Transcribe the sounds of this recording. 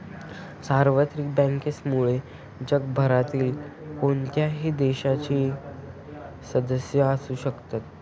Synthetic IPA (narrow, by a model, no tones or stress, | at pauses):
saɾʋət̪ɾik̚bə̃ŋkesmuɭe | d͡ʑəɡbʱəɾat̪iːlkoɳt̪jaɦiːd̪eɕat͡ɕiː | səd̪əsjəəsuːɕəkt̪at̪̚